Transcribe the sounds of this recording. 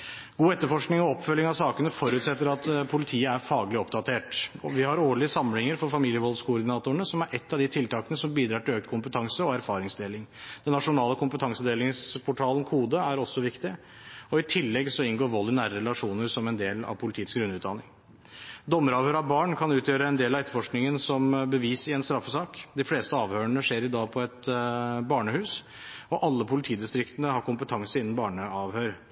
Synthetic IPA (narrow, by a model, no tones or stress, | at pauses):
ɡ̥uːɛt̪ːəɾfɔʂknɪŋɔɔpːfœlːɪŋɑʋsɑːkənəfɔɾʉːt̪sɛt̪ːəɾɑt̪pʰʊlɪt̪ʰiːəæɾfɑːɡəlɪɔpd̪ɑt̪ʰeːʈɔʋɪhɑɾoːɭɪəsɑməlɪŋəɾfɔɾfɑmiːljəʋɔlskʰʊʊɾɖ̪ɪnɑːt̪ʊɳəsɔmæɾʔɛt̪ːɑʋd̪ɪt̪ʰɪlt̪ɑːkənəsɔmbiːd̪ɾɑːʈɪløːk̚t̪kʰʊmpət̪ʰɑŋsəɔæɾfɑːɾɪŋsd̪eːlɪŋd̪̥ɛnːɑʂʊnɑːləkʰʊmpət̪ʰɑŋsəd̪eːlɪŋspʰʊʈʰɑːlən̩kʰhuːd̪əæɾɔsːɔʋɪkt̪ɪ | ɔɪt̪ʰɪlːɛɡsɔɪnɡoːɾʋɔlːɪnæːɾəɾɛlɑʂuːnəɾsɔmɛnd̪eːlɑ̰ʋpʰʊlɪt̪ʰiːəsɡɾʉnːʉːt̪d̪ɑnɪŋ | d̪ɔmːəɾɑːʋhøːɾɑʋbɑːɳkʰɑnʉːt̪ʰjøːɾəɛnd̪eːlɑɛt̪əfɔʂknɪŋənsɔmbəʋiːsɪɛnst̪ɾɑfːəsɑːkd̪ɪfleːst̪əɑːʋhøːɾəɳəʂeːɾɪd̪ɑːpʰɔɛt̪bɑːɳəhʉːs | ɔʔɑlːəpʰʊlɪt̪ʰiːd̪ɪst̪ɾɪkt̪ənəhɑɾkʊmpət̪ʰɑŋsəɪnːən̩bɑːɳəɑːʋhøːɾ